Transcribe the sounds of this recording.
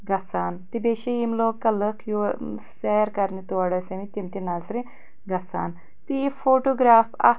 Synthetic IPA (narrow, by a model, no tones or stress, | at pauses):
ɡɐsaːnt̪ibeːʃijimloːkɐləkʰjuseɾkɐɾnit̪uɐɽɐsemit̪ʲimt̪inazɾi | ɡɐsa̰ːn | t̪ifoːʈoːɡɾaːfɐ̰